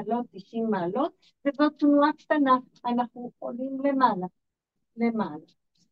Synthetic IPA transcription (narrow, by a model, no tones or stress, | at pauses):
lot̪̚diʃimːaːlo̞t̪̚ | vezot̪nuakt̪ana | anaχnuolimlemala | lemala